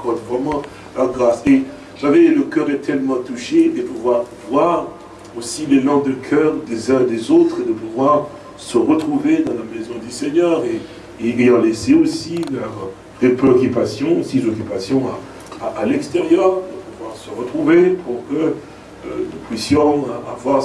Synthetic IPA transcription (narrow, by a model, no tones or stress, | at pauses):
kɔd̪vʁɛmɑ̃ | lœʁɡʁase | ʃavɛləkʲœʁɛt̪ʰɛlmɑ̃t̪uʃed̪əpuvwaʁvwaʁ | osilelɑ̃d̪əkʰœʁd̪ezɛ̃d̪ezot̪χed̪əpuvwaʁ | səʁət̪χuved̪ɑ̃lamezɔ̃d̪yseɲœʁeː | jɑ̃lɛseosilœʁ | pepeɔkʲypasjɔ̃sizɔkʲypasjɔ̃a | aʔːlɛkst̪eʁjœːʁd̪əpuvwaʁsəʁət̪χuvepuʁkə̰ | nupɥisjɔ̃a̰vwaʁ